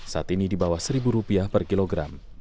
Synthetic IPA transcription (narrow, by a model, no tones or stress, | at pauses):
saat̪inidibawahsəɾibuɾupiahpərkiloɡɾam